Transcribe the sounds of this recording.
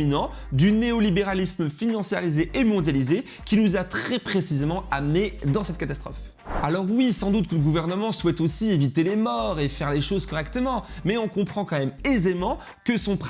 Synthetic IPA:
inɑ̃ | d̪yneɔlibeʁalisməfinɑ̃sjaʁizeʔːmɔ̃d̪jalize | kʲinuzat̪χɛpχesizemɑ̃amned̪ɑ̃sɛt̪kat̪ast̪χɔ̰f | alɔʁwisɑ̃d̪ut̪̚kələɡuvɛʁnəmɑ̃swɛt̪osievit̪elemɔʁefɛʁleʃozkɔʁɛkt̪əmɑ̃mɛɔ̃kɔ̃pχɑ̃kɑ̃mɛmezemɑ̃ | kəsɔ̃p

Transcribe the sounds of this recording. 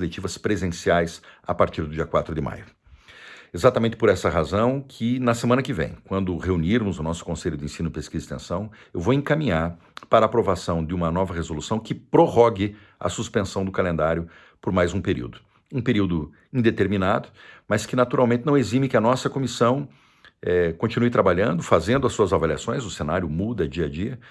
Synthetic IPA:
let͡ʃivɐspɾezẽsiajsapaɾt͡ʃiɾd̪ʊd͡ʒiɐkwat̪ɾʊd̪ɪmʔa̰jʊ | ezat̪amẽnt̪ɪ̥pʊɾɛsɐʁazɐ̃w̃kʰɪnɐsemɐ̃nɐkɪvḛ̃j̃kwɐ̃nd̪ʊheuniɾmʊzʊnɔsʊ̥kõseʎʊd̪ɪẽsĩnʊɪpeskizist̪ẽsɐ̃w̃ | ewvowẽkamĩɲaɾ | paɾaːpɾovasɐ̃w̃d̪ɪũmɐnɔvɐʁezolusɐ̃w̃kɪpɾoɦɔɡɪ | ɐ̰suspẽsɐ̃w̃d̪ʊkalẽnd̪aɾjʊ | pʊɾmajzũpeɾḭwd̪ʊ | ũpeɾiwd̪ʊ | ĩd̪et̪eɾminad̪ʊmɐskɪnat̪uɾʔawmẽnt̪ɪnɐ̃w̃ezĩmɪkɪɐnɔsɐkomisɐ̃w̃ | ɛkõt͡ʃinujt̪ɾabaʎɐ̃nd̪ʊfazẽnd̪ʊɐsuɐzavalia̰sõj̃zʊsenaɾjʊmud̪ɐd͡ʒiɐd͡ʒiɐ

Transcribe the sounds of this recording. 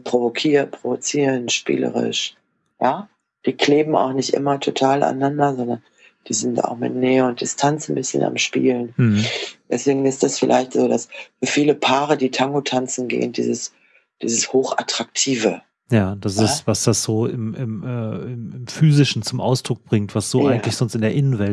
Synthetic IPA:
pʁ̥ovokʰiːɐtpʁ̥ovot͡siːʁənʃpḭːlə̰ʁɪ̰ʃ | jaː | d̥iːkleːbm̩a̰ʊxnɪçtʔɪ̰mɐtʰotʰaːlʔa̰nːandɐzɔndɐn | d̥iːzɪnta̰ʊxmɪ̰tnɛːəʊnt̚d̥ɪstʰant͡sn̩bɪsçəna̰mʃpḭːlən | d̥ɛsv̥eːɡŋ̩ɪstd̥asfɪlʔa̰ɪçtz̥oːdasfyːɐfiːləpʰaːʁədiːtʰaŋɡotʰant͡sn̩ɡḛːəndḭːzəs | d̥ḭːzəshoːxa̰tʁ̥ak̚tʰiːvə | jaːd̥asɪsv̥asd̥asz̥oːɪmɪmɛːɪmɪmfyːzɪʃn̩t͡sʊmʔaʊsd̥ʁʊk̚b̥ʁɪŋtv̥asz̥oːʔaɪɡŋ̩tlɪçz̥ɔnstɪndeːɐʔɪnənvɛlt

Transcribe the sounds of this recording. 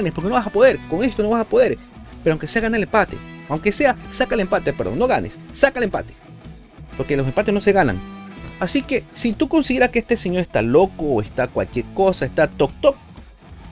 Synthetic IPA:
anespoɾkenoβasapoðeɾkoŋest̪onoβasapoðeɾ | peɾoawŋ̃keseaɣanaelempat̪ḛawŋkeseasakaelempat̪epeɾðo̰noɣanḛsːakaelempa̰t̪e̥ | poɾkelos̬empat̪enoseɣana̰ŋasikesit̪uko̞nsiðeɾahkeest̪eseɲo̞ɾest̪alokoːest̪akwa̰lkjeɾkosaest̪at̪ok̚t̪ok̚

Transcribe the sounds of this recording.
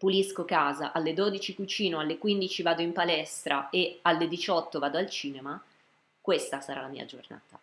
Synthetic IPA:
puliskokaːza̰ʔalːed̪od̪it͡ʃikut͡ʃiːnoalːekwind̪it͡ʃivaːd̪oimpalɛst̪ɾaealːed̪it͡ʃɔt̪ːovaːd̪oalt͡ʃiːnema | kwest̪asaɾa̰lamḭːa̰d͡ʒorna̰ːt̪a

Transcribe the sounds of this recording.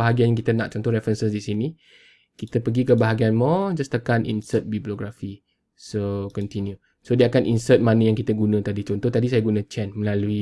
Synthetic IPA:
aɦaɡianjaŋkit̪əna̰ʔ̚t͡ʃɔnt̪ɔhɾɛfɾənsəsdisini | kit̪əpəɡikəbaɦaɡianmɔd͡ʒast̪əkanʔḭnsət̪̚biblioɡɾafi | sokɔnt̪inju | sodiəakanʔinsət̪̚manə̃jaŋkit̪əɡunə̃t̪adit͡ʃɔnt̪ɔht̪adis̬ajaɡunə̃t͡ʃɛnməlalui

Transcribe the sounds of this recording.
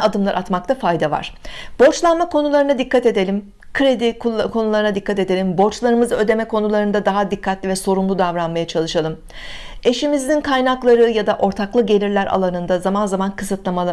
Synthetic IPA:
ad̪ɯmlˠaɾʔat̪mak̚t̪ʰafajd̪ava̰ɾ̝̥bo̞ɾt͡ʃlˠanmakʰo̞nulˠaɾɯnad̪ikʰːat̪e̞d̪e̞lʲim | kʰɯɾe̞d̪ikkʰo̞nulˠaɾɯnad̪ikːat̪e̞d̪e̞lʲimbo̞ɾt͡ʃlˠaɾɯmɯzɯø̞d̪e̞mɛkʰo̞nulˠaɾɯnd̪ad̪aɦad̪ikʰːat̪lʲivɛso̞ɾumlˠud̪avɾanmajat͡ʃʰalˠɯʃalˠɯm | e̞ʃimizd̪inkʰajnaklˠaɾɯjad̪aʔo̞ɾt̪ʰaklˠɯɟe̞lʲiɾlʲæɾʔa̰lˠanɯnd̪azamanzamankʰɯsɯt̪lˠamalˠa

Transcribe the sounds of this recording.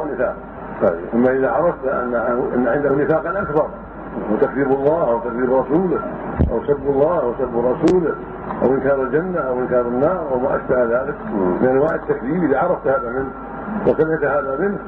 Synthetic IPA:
nːɪfaːq | ʔamːaʔɪðaʕɑɾˤɑft̪ʔa̰nːaʔaʔa̰nːʕɪnd̪ahnɪfaːqalʔakbɑɾˤ | awt̪akðiːbɑlˤːɑːhawt̪akðiːbɾˤɑsuːlɪ | ʔa̰wsabːalˤːɑːhawasabːɾˤɑsuːlɪ | ʔa̰wʔɪnkɑːɾˤɪld͡ʒanːaʔawʔɪnkɑːɾˤanːɑːɾˤʔawmaʔa̰ʃbahðaːlɪklɪʔanwaːħɪd̪̚t̪ːakðiːbʔɪðaʕɑɾˤɑft̪haːðamɪnh | wasanɪʕt̪haːðamɪnh

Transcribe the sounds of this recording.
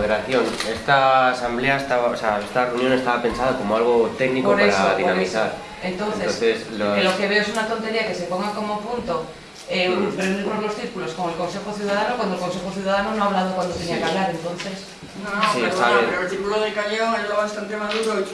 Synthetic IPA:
ðeɾaθjo̞nest̪aːsambleaest̪aβaoseaest̪areunjone̞st̪aβape̞nsaðako̞moalɣ̞ot̪eɣnikoɾaɾsaðinamisθaɾ | ent̪onθtθeosnθeslolokeβe̞oesunat̪o̞nt̪e̞ɾiakese̞po̞ŋɡako̞mopunt̪o | ereuniɾnozlo̞sθiɾkulo̞sko̞ŋe̞lko̞nse̞xoθjuðað̞anokwand̪oelko̞nse̞xoθjuðaðanonõaβlað̞okwand̪ot̪eniakaβlaɾe̞nt̪o̞nθes | nsiest̪aeɾoelθiɾkuloðelkaɲõŋaʎuðoβast̪ant̪emaðuɾo

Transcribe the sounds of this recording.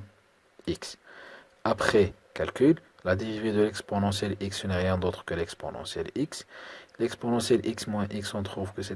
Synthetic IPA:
iks | apχɛ | kalkʲyllad̪evized̪əlɛksponɑ̃sjɛliksənɛʁjɛ̃d̪ot̪χkəlɛkspo̰nɑ̰̃sjɛlikslɛksponɑ̃sjɛlʔiksmwɛ̃ʔiksɑ̃t̪χuvkəsɛ

